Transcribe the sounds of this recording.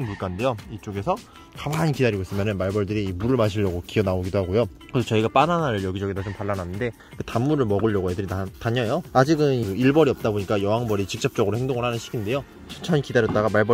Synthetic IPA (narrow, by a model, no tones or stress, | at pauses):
nmuɭk͈annde̞joit͡ɕ͈oɡe̞sʰʌ | kamaɲikidaɾiɡois͈ɯmjʌnɯnmaɭbʌɭdɯɾiːmuɾɯɭmaɕʰiʎːʌɡokiʌnaoɡidoɦaɡojo | kɯɾsʰʌt͡ɕʌiɡap͈ananaɯɭjʌɡid͡ʑʌɡedʰot͡ɕompaɭːananːɯnde̞ | kɯtamːuɾɯɭmʌɡɯʎjʌɡojedɯɾiataɲʌjoad͡ʑiɡɯnioiɭbʌɾiʌp̚t͈aboɲik͈ajʌɦaŋbʌɾit͡ɕik̚t͡ɕ͈ʌp̚t͡ɕ͈ʌɡɯɾohʰe̞ŋdoŋɯɭhanɯnɕʰiɡinde̞jo | t͡ɕʰint͡ɕʰʌɲikidaɾjʌt͈aɡamaɭbʌ